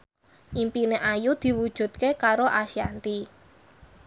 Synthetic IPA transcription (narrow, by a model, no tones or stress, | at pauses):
ʔimpineʔajud̪̥i̤wud̥ʒ̥ṳt̪̚kekaɾoʔaʃiant̪i